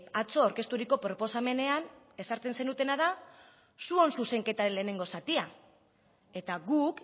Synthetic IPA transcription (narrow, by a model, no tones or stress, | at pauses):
at͡so̞aɾke̞st̪uɾiko̞pɾo̞po̞same̞ne̞an | e̞saɾt͡s̪e̞nse̞nut̪e̞naða | suo̞nsuse̞ŋke̞t̪aɾele̞ːne̞ŋɡo̞sat̪ia | e̞t̪aɣuk